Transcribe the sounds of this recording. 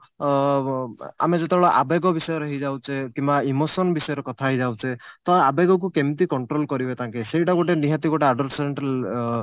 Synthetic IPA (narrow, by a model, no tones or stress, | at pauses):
a̰med͡ʒet̪ebeɭɔʔa̰beɡɔbisɔjɔɾɔɦid͡ʒawt͡ʃʰekimbaimosɔnbisɔjɔɾɔkɔt̪ʰaɦid͡ʒawt͡ʃʰet̪ɔjabeɡɔk̬ukemt̪ikɔɳʈɾolkɔɾibet̪ãŋkesejʈaɡoʈeniɦat̪iɡoʈeaɖɔɾseeɳʈal